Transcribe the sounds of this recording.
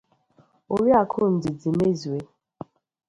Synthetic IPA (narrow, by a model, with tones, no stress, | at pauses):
o˨ɾi˦a˨kʰʊ˦˨n̩˨dɪ˨di˨me˦zu˨e˦